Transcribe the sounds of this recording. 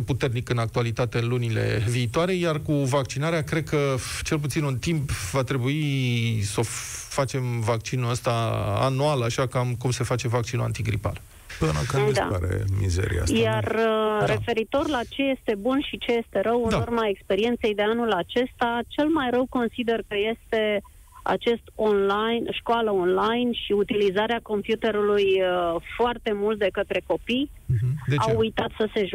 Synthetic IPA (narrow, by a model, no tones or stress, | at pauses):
eput̪e̞rnikɨnak̚t̪ualit̪at̪e̞ɨnlunile̞̰viːt̪oaɾe̞jarkuvakt͡ʃinaɾeakɾe̞d̪̚kət͡ʃe̞lp̬ut̪sinunt̪impvat̪ɾe̞buiso̞fat͡ʃe̞mvak̚t͡ʃinuəst̪aa̰nualaʃakamkumse̞fat͡ʃe̞vak̚t͡ʃinua̰nt̪iɡɾḭpa̰l | pɨnə̰kad̪a̰a̰ɾḛmḭzḛɾḭa̰sjarːe̞fe̞ɾit̪o̞rlat͡ʃe̞je̞st̪e̞bunʃit͡ʃe̞je̞st̪e̞ɾəwɨnaurmae̞kspe̞ɾie̞nt̪se̞jd̪e̞anulat͡ʃe̞st̪at͡ʃe̞lmajɾəwko̞nsid̪e̞rkəje̞st̪e̞ | a̰t͡ʃe̞st̪o̞nlajnʃkoaləonlajnʃiut̪ilizaɾeako̞mpjut̪e̞ɾulujfoart̪e̞mult̪̚d̪ekət̪ɾe̞ko̞pij | d̪eawujt̪at̪səse̞ʒ